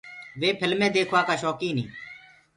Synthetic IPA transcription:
ʋeːpʰɪlmẽːd̪eːkʰʋaːkaːʃoːkĩːnḭ̃ː

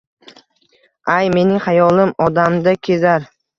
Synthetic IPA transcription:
ajme̞nɪŋhajɒlˠɪmɒd̪amd̪akʲʰe̞zaɾ

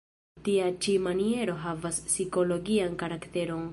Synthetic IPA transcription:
tiat͡ʃimanie̞ɾo̞ɦavasːiko̞lo̞ɡiankaɾakte̞ɾo̞n

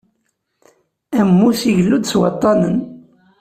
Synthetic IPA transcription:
æmːusiʝəlːud̪swɑ̰t̪ˤːɑnən

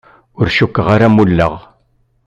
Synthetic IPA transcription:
ʊɾʃukːəʁaɾamulːə̰ʁ

